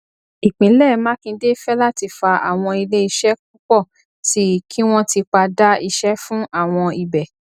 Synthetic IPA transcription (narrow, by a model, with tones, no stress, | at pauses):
i˨k͡pĩ˨˦lɛ˦˨mã˦kĩ˧de˦fɛ˦la˦ti˧fa˧a̰˨w̃ɔ̃˧i˧le˦i˧ʃɛ˦k̚u˦k͡pɔ˦˨ | ti˨˦kʰi˦w̃ɔ̃˦ti˧k͡pa˧da˦i˧ʃɛ˦fũ˦ʔa˦˨w̃ɔ̃˧i˨bɛ˨